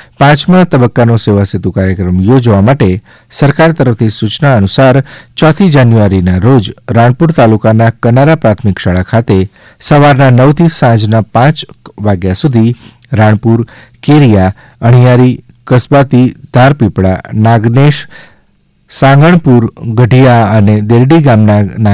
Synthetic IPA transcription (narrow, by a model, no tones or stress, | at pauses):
pãt͡ʃmãt̪əbəkːanoseʋasit̪ukaɾjəkɾəmjod͡ʒʋamaʈe | səɾkaɾt̪əɾəft̪ʰisut͡ʃnaənusaɾt͡ʃɔt̪ʰid͡ʒanjuaɾinaɾod͡ʒɾaɳ̃puɾt̪alukanakənaɾapɾat̪ʰmɪkʃaɭakʰat̪e | səʋaɾnanəwt̪ʰisãd͡ʒnapãt͡ʃʋaɡjasud̪ʱi | ɾaɳ̃puɾ | keɾija | əɳ̃ijaɾi | kəsbat̪id̪ʱaɾpipɽa̰naɡneʃ | sãŋɡəɳ̃puɾɡəɖʱijaəned̪elɖiɡamnana